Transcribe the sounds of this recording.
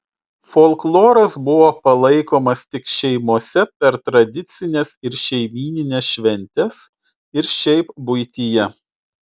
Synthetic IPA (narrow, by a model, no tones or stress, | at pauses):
folˠklˠoːɾɐsbʊʋoːpɐlˠɐɪkoːmɐst̪ʲɪkʃʲɛɪmuɔsʲɛpʲɛɾt̪ɾɐd̪ʲɪt̪sʲɪnʲesɪɾʃʲɛɪmʲiːnʲɪnʲesʃʲʋʲɛnʲt̪ʲɛs | ɪɾʃʲɛɪpbʊɪt̪ʲiːjɛ